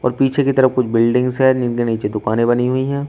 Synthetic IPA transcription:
ɔːɾpiːt͡ʃʰekit̪ɐɾəfkʊt͡ʃʰbɪlɖɪ̃ŋɡzɦɛnɪnkeniːt͡ʃed̪ʊkaːnẽbɐniɦuiɦɛ̃ː

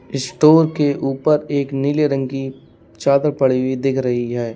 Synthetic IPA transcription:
ɪsʈoːɾkeʔuːpəɾeːknileɾə̃ŋɡi | t͡ʃaːd̪əɾpɐɽiwid̪ɪkʰɾɐɦiɦɛː

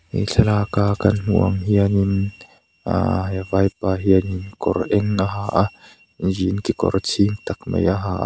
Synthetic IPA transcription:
ḭɬʰɛlaːkaːkɐnn̥uə̰ŋɦianin | a̰ɦvajpaːɦianinkɔrʔɛŋaɦaːʔa | zinkikɔ̰rt͡sʰint̪ak̚mḛjaɦaːʔ

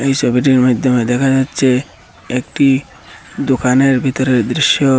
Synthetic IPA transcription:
ejsɔbʱiʈiɾmad̪ʱjɔmed̪ɛkʰad͡ʒatːt͡ʃʰe | ek̚ʈi | d̪okaneɾbʱit̪ɔɾeɾd̪ɾiʃjɔ

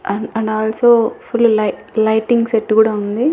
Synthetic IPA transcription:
ɐɳɐɳɖaːlsoːfulːlɐlɐjʈiŋɡseʈːkuːɽaːund̪i

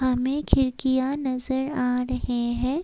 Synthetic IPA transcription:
ɦɐmẽkʰɪɾkijanɐzəɾaːɾɐɦeɦɛ̃ː

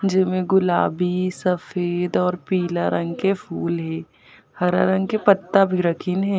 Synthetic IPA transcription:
d͡ʒɪmẽɡʊlaːbisɐfeːd̪ɔːɾpiːlaɾə̃ŋɡkepʰuːlɦɛː | hɐɾa̰ɾə̃ŋɡkepɐt̪ːabʱiɾɐkʰɪnɦɛː

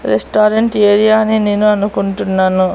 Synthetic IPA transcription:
ɾesʈaːɾeɳʈeːɾijaːnine̞ːnuɐnukuɳʈunːaːnu

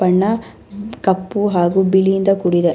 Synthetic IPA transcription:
ɐɳːɐ | kɐpːuɦaːɡubilijind̪ɐkuɽid̪e

